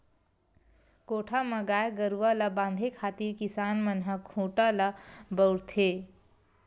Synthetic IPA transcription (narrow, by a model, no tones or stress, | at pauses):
koːʈʰamə̃ɡaːeɡəɾuʋələbãːnd̪ʱekʰaːt̪iɾkisaːnmənɦəkʰũːʈələbəʊɾt̪ʰe